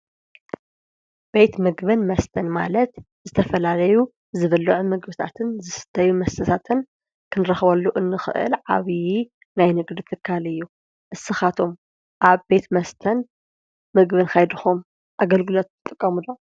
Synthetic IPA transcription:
b̥e̞t̪mɨɡbɨnmɐst̪ʰɐnma̰lɐt̪ | zɨt̪ʰɐfɐlalɐju | zɨβɐlːɨʕumɨɡbɨt̪ʰa̰t̪ʰɨnzɨsɨ̥t̪ʰɐjumɐst̪ɐt̪ʰat̪ʰɨn | kʰɨnɨɾɐxβɐlːuʔɨnːɨxɨ̰ʔɨ̰lʕa̰βi | najnɨɡd̪it̪ʰɨkʰːalɨjːu | ʔɨsɨxat̪ʰo̞m | ʔaβbe̞t̪mɐst̪ʰɐn | mɨɡβɨnkʰajd̪ɨxum | ʔaɡɐlɡɨlo̞t̪ɨt̪ʼːɨkʼːɐmud̪o

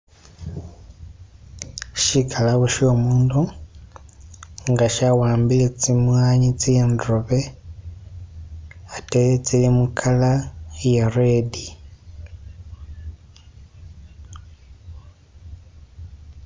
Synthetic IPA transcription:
ʃikʰalaβoʃiomuːndu | ŋɡaʃawaːmbilet͡simwaːɲit͡sijendroβe̞ | atelet͡silimukʰalajeredi

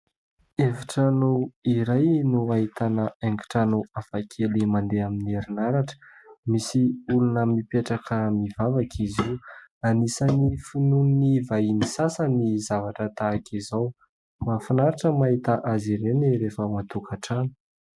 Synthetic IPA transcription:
eviʈ͡ʂanoiɾajnuaɦit̪anəeŋki̥ʈ͡ʂanoafakʰelimand̪eaminieɾinaɾaʈ͡ʂə̥misiulunəmipeʈ͡ʂakʰəmivavakʰizianisanifinunnivainisasənizavaʈ͡ʂət̪aːkʰizaw | mafanaɾiʈ͡ʂəmaɦit̪aʔaziɾeniɾefəmat̪ukʰaʈ͡ʂani̥

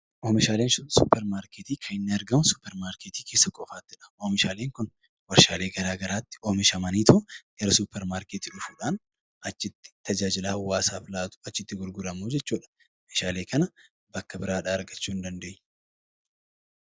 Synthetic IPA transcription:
ʔoːmɪʃaːleːnʃʊsʊpːɛɾmaːɾkeːt̪iːkʰɐɪnːɪɐɾɡɐmʊsʊpːɛɾmaːɾkeːt̪iːkʰeːsːɐkʼɔfaːt̪ːɪᶑɐ̥oːmɪʃaːleːŋkʊn | wɐɾʃaːle̞ːɡɐɾaːɡɐɾaːt̪ːɪ̥oːmɪʃɐmɐniːt̪ʰʊɡ̥ɐɾɐsupːɛɾmaːɾkeːt̪iːᶑʊfuᶑaːn | ɐt͡ʃːɪt̪ːɪ̥t̪ɐd͡ʒaːd͡ʒɪlaːwaːsaːfɪlaːt̪ʊ̥ɐt͡ʃːɪt̪ːɪɡʊɾɡʊɾɐmuːd͡ʒɛt͡ʃːuːᶑɐ̥ | feːʃaːleːkɐnɐ | bɐkːɐbɪɾaːᶑaːɐɾɡɐt͡ʃːuːɪnd̪ɐnd̪eːɲː

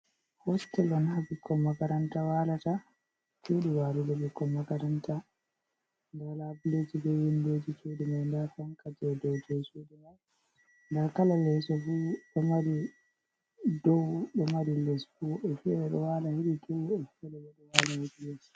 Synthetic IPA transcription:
hɔstɛlɔnhabikʰːɔmːakaɾantawaːlata | keɗiwaːludɔɓikːɔmːakaɾanta | ndɛlabiled͡ʒibɛjindoːd͡ʒit͡ʃoɗimajndafaŋkad͡ʒɛdɔwd͡ʒɛt͡ʃoɗimaj | ndɛɾkalalɛsɔfuɗɔmaɾi | dɔwɗɔmaɾilɛsfuɛfiɛɗɛɗɔwalajiɾidɔwɛfiɛɗɛbɛɗɔwalajid͡ʒilɛs

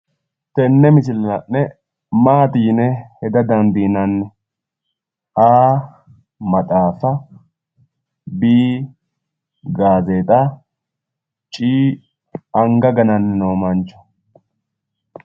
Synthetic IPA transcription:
t̪ɛnːɛmɪsɪlɐnɐnːɛ | maːt̪iːnɛhɛd̪ɐd̪ɐnd̪iːnɐnːɛ | ʔaː | mɐt̪ʼaːfɐ | biː | ɡaːzeːt̪ʼɐ | t͡ʃʼiː | ɐŋɡɐɡɐnɐnːɛnoːmɐnt͡ʃːɔ̥

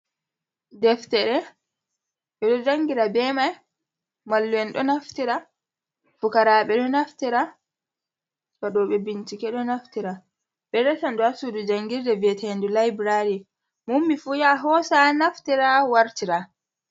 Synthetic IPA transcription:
dɛftɛɾɛ | ɓɛɗɔd͡ʒaŋɡiɾabɛmaj | malːuɛnɗɔnaftiɾa | fukaɾaɓɛɗɔnaftiɾa | kaɗɔɓɛbint͡ʃikɛɗɔnaftiɾa | ɓɛɾɛtandɔasudud͡ʒaŋɡiɾdɛvɛtɛndulajbɾaɾi | mumːifujaɦɔsanaftiɾawaɾtiɾa

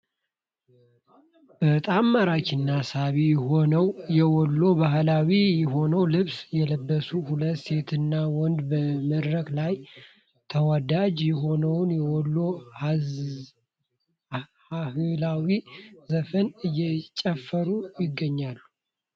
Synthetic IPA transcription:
bət̪ʼamːaɾat͡ʃɪnːasaβiowjɛɔlːo̞baɦlawijɛɦo̞nəwlɨβsjɛləbːəsuhulət̪se̞t̪ʰɨnːawɔnd̪bəməd̪ɾəklaj | t̪ʰəwad̪ad͡ʒjɛɦo̞nəwnjɛwɔlːo̞ | hahɨlawizəfənɨjːɛt͡ʃʼəfːəɾujɪɡːəɲːalːu

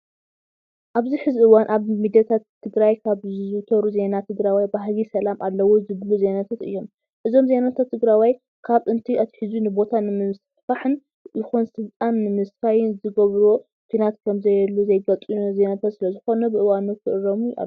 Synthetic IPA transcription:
ʔaβziħɨziʔɨwanʔaβmid̪jat̪ʰat̪ʰːɨɡɾajkʰaβzzɨt̪ʰɐɾuze̞nat̪ʰɨɡɾawajbaɦlisɐlamʔalːɐwozɨβluze̞nat̪ʰat̪ɨ̰jːo̞m | ʔɨzo̞mze̞nat̪ʰat̪ːɨɡɾawaj | kʰaβɨnt̪ʰiʔɐt̪ʰħizunɨbo̞t̪ʰanɨmɨɨs | faħɨn | jɪxunsɨlt̪ʼanːɨmɨskajɪnzɨɡɐβɾo | kʰinat̪kʰɐmzɐjɛlːuzɐjɡɐt͡sʼize̞nat̪ʰat̪sɨlɐzɨxo̞nɐbɨʔɨwanut̪kʰɨʔɨɾomuja̰

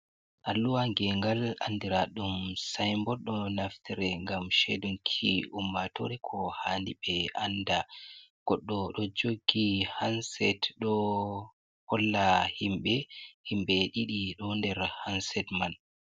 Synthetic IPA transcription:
ʔalːuwaŋɡɛŋɡala̰ndiɾaɗumsajmbɔɗɔnaftʰiɾɛŋɡamʃɛ̰dumkʰiumːatoɾɛkʰɔhandibɛʔandaɡ̥ɔɗːɔɗɔd͡ʒoɡːihansɛtɗɔ | hɔlːahimɓɛhimɓɛɗiɗiɗɔndɛɾhansɛtman

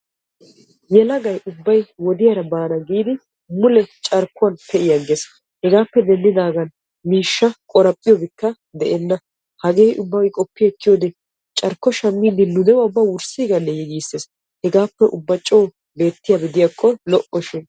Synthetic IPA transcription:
jɛlɐɡɐjʔʊbːɐjwɔd̪ɪjɐɾɐbaːnɐɡiːd̪ɪ | mʊlɛt͡ʃʼɐɾkːʊɐnpʰɛɪjɐɡes | hɛɡaːpːɛd̪ɛnːɪd̪aːɡɐn | miːʃːɐkʼɔɾɐpʼːɪjɔbɪkːɐ | d̪ɛʔɛnːɐ | hɐɡeːjʔʊbːɐɡɪkʼɔpːɪjkːɪjoːd̪ɛ | t͡ʃʼɐɾkːɔʃɐmːiːd̪ɪnʊd̪ɛwɐʊbːɐwʊɾsiːɡɐnːɛjɛɡiːsːeːs | hɛɡaːpːɛʔʊbːɐt͡ʃʼoː | be̞ːt̪ːɪjɐbɪd̪ɪjakʰʼːɔlɔʔɔʃɪn

